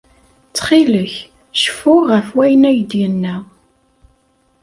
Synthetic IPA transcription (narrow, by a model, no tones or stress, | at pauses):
t͡sːχiləç | ʃə̥fʊʁəfwæjənæjəd̪jənːæ